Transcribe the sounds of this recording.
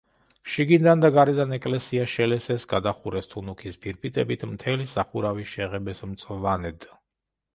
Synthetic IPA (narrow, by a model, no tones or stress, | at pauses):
ʃiɡind̪and̪aɡaɾɛd̪anɛkʼlɛsiaʃɛlɛsɛsɡad̪aχuɾɛst̪ʰunukʰisbiɾpʰʼit̪ʼɛbit̪ʰmt̪ʰɛlisaχuɾaviʃɛʁɛbɛsmt̪sʼvanɛd̪